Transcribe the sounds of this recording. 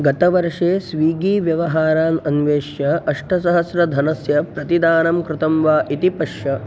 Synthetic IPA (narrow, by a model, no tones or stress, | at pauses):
ɡɐt̪ɐʋɐɾʂeːsʋiːɡiːʋjɐʋɐɦaːɾaːnɐnʋeːʃjɐɐʂʈɐsɐɦɐsɾɐd̪ʱɐnɐsjɐpɾɐt̪id̪aːnɐmkɾɪt̪ɐmʋaːʔit̪ipɐʂjɐ